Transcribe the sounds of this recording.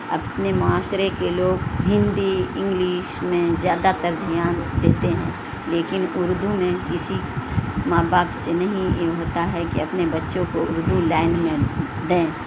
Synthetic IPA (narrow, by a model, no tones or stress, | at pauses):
ɐ̰pnemʊaːsɾekeloːɡɦɪ̃nd̪iɪ̃ŋɡliːʃmẽzjaːd̪at̪əɾd̪ʱijaːnd̪eːt̪eɦɛ̰̃ː | leːkɪnʊɾd̪umẽkɪsimaːbaːpsenɐɦĩjeɦoːt̪aɦɛkiɐpnebɐtːʃõkoʊɾd̪ulaːɪnmẽ | d̪ẽː